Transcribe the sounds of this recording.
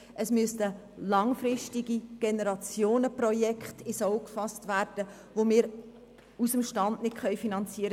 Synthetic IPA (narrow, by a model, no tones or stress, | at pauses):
ʔəsmyəstə | lɑŋfrɪʃtiɡiɡ̥enəɾɑt͡sjoːnəprɔjɛkχtɪsɔʊkfɑstʋæːɾd̥ə | ʋomɪːɾ | usəmʃtɑndnɪtχœjfinɑnt͡siəɾə